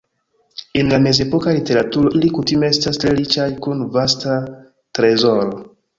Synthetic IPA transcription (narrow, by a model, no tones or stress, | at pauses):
e̞nlame̞ze̞po̞kalite̞ɾatuɾo̞ʔilikutime̞e̞stastɾe̞ɾit͡ʃajkunvasta | tɾe̞zo̞ɾo